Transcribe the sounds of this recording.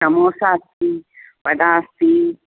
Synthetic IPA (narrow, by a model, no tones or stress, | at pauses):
ɐmoːsaːst̪ipɐɖ̪aːst̪i